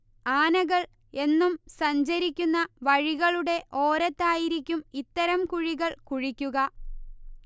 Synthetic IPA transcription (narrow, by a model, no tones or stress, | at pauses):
aːnɐɣɐɭ | e̞nːumsɐɲd͡ʑɐɾikʲːunːɐʋɐɻiɣɐɭuɽe̞ʔo̞ːɾɐt̪ːaːjiɾikʲːumit̪ːɐɾɐmkuɻiɣɐɭkuɻikʲːuɣɐ